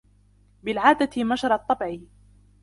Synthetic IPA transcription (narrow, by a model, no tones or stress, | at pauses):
bɪlʕaːd̪at̪ɪmaʃɑɾˤɑt̪ˤːɑbʕiː